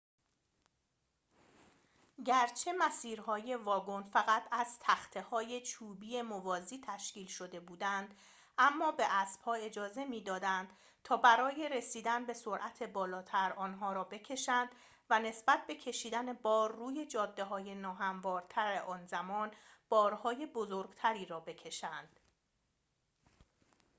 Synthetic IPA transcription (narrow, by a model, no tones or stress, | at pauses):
ɟæɾt͡ʃʰe̞mæsiːɾɦɒːje̞vɒːɡo̞nfæɣæt̪ʰæz̥t̪ʰæxt̪ʰe̞hɒːje̞t͡ʃʰuːbiːje̞movɒːziːt̪ʰæʃciːlʃo̞d̪e̞buːd̪ænd̪̥ | ʔæmːɒːbe̞ʔæsb̥hɒːe̞d͡ʒɒːze̞miːd̪ɒːd̪ænd̪̥ | t̪ʰɒːbæɾɒːje̞ɾe̞siːd̪ænbe̞so̞ɾʔæt̪ʰe̞bɒːlɒːt̪ʰæɾɒːnɦɒːɾɒːbe̞cʰe̞ʃænd̪̥ | væne̞sbæt̪̚be̞cʰe̞ʃiːd̪æne̞bɒːɾːuːje̞d͡ʒɒːd̪ːe̞ɦɒːje̞nɒːɦæmvɒːɾt̪ʰæɾeʔɒːnzæmɒːnb̥ɒːɾhɒːje̞bozoɾɡ̥t̪ʰæɾiːɾɒːbe̞cʰe̞ʃænd̪̥